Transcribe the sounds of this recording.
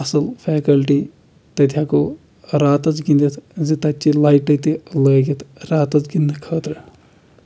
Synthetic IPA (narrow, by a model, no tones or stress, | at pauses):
ɐsɐlfʰɛːkɐlʈi | t̪ɐt̪ʰjako | ɾaːt̪ɐt͡sɡind̪it̪ʰzit̪ɐt͡ʃːilaːjʈɐt̪ilɐːɡit̪ʰɾaːt̪ɐt͡sɡind̪ɨkʰəːt̪ɾɨ